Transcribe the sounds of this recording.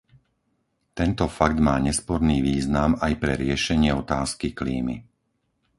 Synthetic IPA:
t̪ɛnt̪ɔfaɡd̪maːɲɛspɔɾniːʋiːznamajpɾɛɾɪɛʃɛɲɪɛɔt̪aːskikliːmḭ

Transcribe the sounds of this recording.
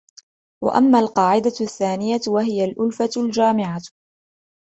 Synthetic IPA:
wa̰ʔa̰mːaːlqɑːʕɪd̪aθːaːnɪjawaɦɪjalʔʊlfald͡ʒaːmɪʕa

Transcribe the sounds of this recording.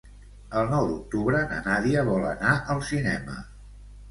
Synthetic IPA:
əlˠnɔwd̪uk̚t̪uβɾənə̰naðiəβɔlə̰naʔəlˠsinɛmə̰

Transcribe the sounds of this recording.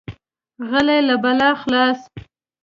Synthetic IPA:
ɣəlajlabalaxlɑs

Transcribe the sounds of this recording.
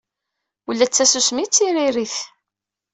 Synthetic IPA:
ulːæt͡sːæsusmit͡sːiɾiɾiθ

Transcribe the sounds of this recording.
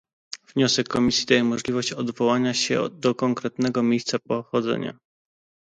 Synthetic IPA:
v̥ɲɔsɛkːɔmʲisʲjid̪ajɛmɔʐlʲivɔɕt͡ɕɔd̪vɔwaɲaɕɛ̰d̪ɔkɔŋkɾɛt̪nɛɡɔmʲejst̪sapɔxɔd̪zɛ̰ɲa̰

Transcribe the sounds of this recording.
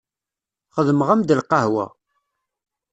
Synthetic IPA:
χəðməʁæmd̪əlqɑhwæ̰

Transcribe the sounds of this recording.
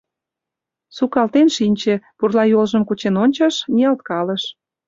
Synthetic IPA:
sukɑlt̪enʃinʲt͡ɕĕpurlɑjolʒəmkut͡ɕenonʲt͡ɕəʃnʲiɑlt̪kɑlə̆ʃ

